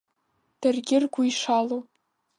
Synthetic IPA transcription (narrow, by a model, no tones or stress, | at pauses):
d̥arɡʲɪrɡʷuiʂalo